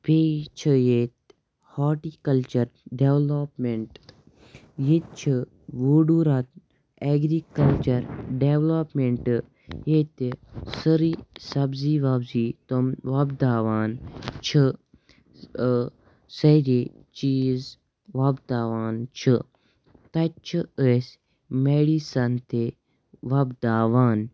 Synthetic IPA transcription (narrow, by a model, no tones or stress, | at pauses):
peːt͡ʃʰɨjeːt̪̚ | haːʈiːkɐlt͡ʃɐɾɖeʋloːpmeɳʈ | jet̪̚t͡ʃʰi | ʋuːɖuːɾat̪ | eɡɾiːkɐlt͡ʃɐɾɖeʋloːpmeɳʈ | jet̪səɾisɐbziːʋabzit̪oʋɐbd̪aːʋaːnt͡ʃʰɨ | sɐɾe | t͡ʃiːz | ʋɐbd̪aːʋaːnt͡ʃʰɨ | t̪ɐtt͡ʃʰɨəsʲ | meːɽisɐnt̪e | ʋɐbd̪aːʋaːn